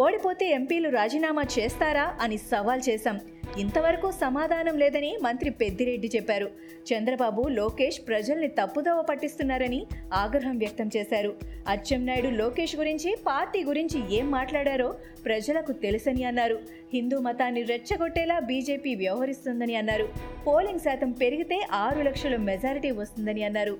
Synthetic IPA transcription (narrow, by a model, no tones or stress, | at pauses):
o̞ːɽipo̞ːt̪e̞ːempiːluɾaːd͡ʒiːnaːmaːt͡ʃɛːst̪aːɾaːʔɐnisɐʋaːlt͡ʃɛːsaːm | int̪ɐʋɐɾɐkuːsɐmaːd̪ʱaːnɐmlɛːd̪ɐnimɐnt̪ɾipe̞d̪ːiɾe̞ɖːit͡ʃɛpːaːɾu | t͡ʃɐnd̪ɾɐbaːbuloːke̞ːʂpɾɐd͡ʒɐlnit̪ɐpːud̪ɔːʋɐpɐʈːist̪unːaːɾɐniaːɡɾɐɦɐmʋjɐk̚t̪ɐmt͡ʃɛːsaːɾuɐt͡ʃːɐmnɐːjɽuloːke̞ːʂɡuɾiɲt͡ʃipaːɾʈiːɡuɾiɲt͡ʃie̞ːmːaːʈlaːɽaːɾoː | pɾɐd͡ʒɐlɐkut̪e̞lisɐniɐnːaːɾu | hind̪uːmɐt̪aːnːiɾɛt͡ʃːɐɡoʈːɛːlaːbiːd͡ʒe̞ːpiːʋjɐʋɐɦɐɾist̪und̪ɐniɐnːaːɾupo̞ːliŋɡsaːt̪ɐmpe̞ɾiɡit̪e̞ːʔaːɾulɐkʂɐlɐmɛd͡ʒaːɾiʈiːʋɐst̪und̪ɐniɐnːaːɾu